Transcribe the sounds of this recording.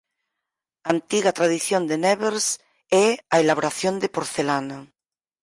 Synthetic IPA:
ant̪iɣat̪ɾaðiθjond̪eneβeɾs | eaelaβoɾaθjond̪epoɾθelana

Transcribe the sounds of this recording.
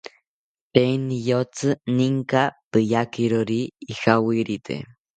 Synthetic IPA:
penijot͡sɨniŋkapɨjakiɾoɾiːhawiɾit̪ʰḛ

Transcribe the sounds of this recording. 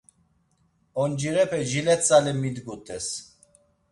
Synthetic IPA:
ɔnd͡ʒiɾɛpʰɛʒilɛt͡sʼalɛmid̪ɡut̪ʰʼɛs

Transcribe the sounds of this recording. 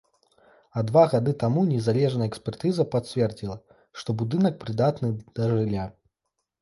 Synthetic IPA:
ɐd̪vaɣad̪ɨt̪amunʲɛzalʲɛʐnɐjɛksʲpʲɛrt̪ɨzɐpasʲvʲɛrd͡zʲilˠɐ | ʂt̪ɔbud̪ɨnɐk̚pɾɨd̪at̪nɨd̪̥ɐʐɨlʲa

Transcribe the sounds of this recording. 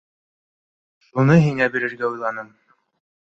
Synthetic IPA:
ʃunɤɦiŋæbiɾɘ̆ɾɡæujlˠɑnɤm

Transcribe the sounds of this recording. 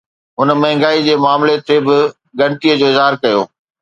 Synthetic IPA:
ɦʊnəmɐɦɪ̃ŋɡaːid͡ʑeːmaːmlet̪ʰebɪ | ɡɐɽ̃ɪt̪iːəd͡ʑoːɪzɦaːɾkɐjo̰ː

